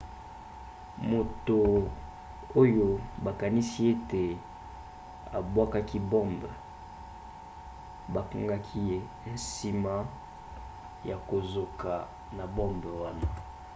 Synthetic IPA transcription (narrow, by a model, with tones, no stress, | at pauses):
mo˨to˨ | o˦jo˦ba˨ka˨ni˦si˦e˦te˨ | a̰˨bwa˦ka˦ki˦bɔ˦mb | ba˨ka˦ŋɡa˦kʰi˦e˦ | n̩˨si˨ma˦ | ja˨ko˨zo˨ka˨ | na˨bɔ˦mbwa˦na˨